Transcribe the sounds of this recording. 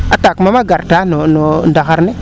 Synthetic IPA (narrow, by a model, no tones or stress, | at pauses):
atakmamaɡaɾtanonondaxaɾne